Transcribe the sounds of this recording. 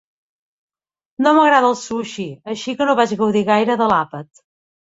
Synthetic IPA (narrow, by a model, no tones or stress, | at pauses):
noməɣɾaðəlˠsuʃiəʃikənoβad͡ʒɣəwðiɣajɾəðəlapət̪